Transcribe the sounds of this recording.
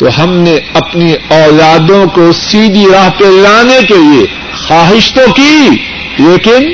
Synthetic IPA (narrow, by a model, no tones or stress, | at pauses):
t̪oɦɐmneɐpniɔːlaːd̪õkosiːd̪ʱiɾaːɦpelaːnekelie | xaːɦɪʃt̪oki | leːkɪn